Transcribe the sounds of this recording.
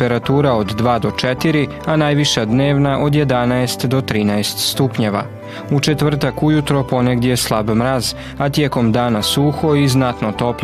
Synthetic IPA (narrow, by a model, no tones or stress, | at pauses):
eɾat̪uːɾaod̪ːʋaːd̪o̞t͡ʃet̪iɾi | anaːjʋiʃad̪ne̞ːʋnaʔo̞d̪je̞d̪anaest̪d̪o̞t̪ɾiːnaest̪st̪upɲeʋa̰ | ut͡ʃet̪ʋr̩t̪akujut̪ɾopo̞neɡd̪ʲjeslˠabmɾaz | at̪jeko̞md̪aːnasuxo̞iznat̪not̪o̞p